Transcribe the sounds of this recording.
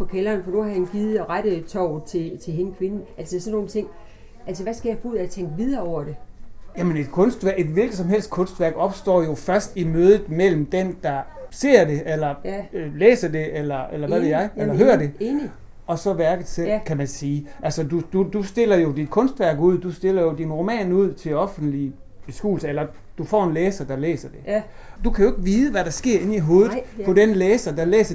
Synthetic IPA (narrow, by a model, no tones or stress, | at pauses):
pɒ̽kʰelɐːnfɒ̽nuhɑhænɡ̥ið̩ˠɒʁad̥ət͡sʰɒʊ̰t͡sʰe̝t͡sʰe̝le̝nəkʰʋe̝n̩ælsəsɒnːo̝ːnt͡sʰe̝ŋ̰ | ʔælsəʋæsɡ̥æjɑ̈ɪfɒ̽uð̰ˠæt͡sʰeŋ̰ɡ̥əʋið̞ˠɐːɒʊ̰ɐd̥e̝jæməne̝d̥kʰɔ̽nsd̥ʋæɐed̥ʋe̝lɡ̥əð̩ˠsɒ̽mɦel̰sd̥̚kʰɔ̽nsd̥ʋæɐ̰ɡ̥ɒ̽b̥sd̥ɒ̰ːjo̝fɶɐsd̥imøːðˠð̩ˠmel̰m̩d̥end̥ɑ̈se̝̰ɐ̰d̥e̝ʔelɐlḛːsɐde̝ʔelɐelɐʋæʋe̝ð̰ˠjɑ̈ɪelɐɦøːɐd̥e̝ | ɒ̽sɒ̽ʋæɐɡ̥əð̩ˠsḛkʰæmænsiːʔælsəd̥ud̥ud̥usd̥e̝lɐjo̝d̥id̥̚kʰɔ̽nsd̥ʋæɐ̰ɡ̥uð̞̰ˠd̥usd̥e̝l̰ɐjo̝dinʁo̝mɛ̰ːnuð̞̰ˠt͡sʰe̝lɒ̽fn̩d̥li | b̥e̝sɡ̥u̥ːl̩sɐelɐ | d̥ufɒ̰ːe̝nleːsɐd̥ɑ̈lḛːsɐd̥e̝ | d̥ukʰæjo̝eɪɡ̥əʋiːð̞ˠəʋæɾɑ̈sɡ̥e̝ɐ̰e̝niɦo̝ːð̩ˠpʰɒ̽denleːsɐd̥ɑ̈lḛːsɐ